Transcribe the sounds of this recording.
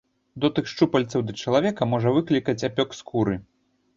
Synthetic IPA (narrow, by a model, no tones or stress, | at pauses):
d̪ɔt̪ɨxʂt͡ʂupɐlʲt̪sɐwd̪ɐt͡ʂɐlˠavʲɛkɐmɔʐɐvɨklʲikɐt͡sʲapʲɔkskʰuɾɨ